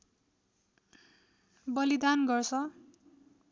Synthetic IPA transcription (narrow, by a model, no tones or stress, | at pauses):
bʌlid̪anɡʌrsʰʌ